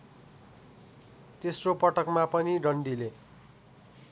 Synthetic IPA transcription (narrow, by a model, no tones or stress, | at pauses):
t̪esropʌʈʌkmapʌniɖʌɳɖile